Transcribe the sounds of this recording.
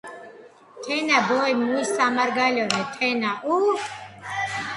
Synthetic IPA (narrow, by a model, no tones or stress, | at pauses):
t̪ʰɛnabɔjmuisamaɾɡalɔnɛt̪ʰɛnaʔu